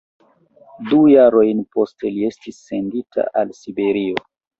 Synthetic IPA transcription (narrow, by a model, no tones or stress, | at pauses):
dujaɾo̞jnpo̞ste̞lie̞stisːe̞nditʰa̰ʔalsibe̞ɾio̞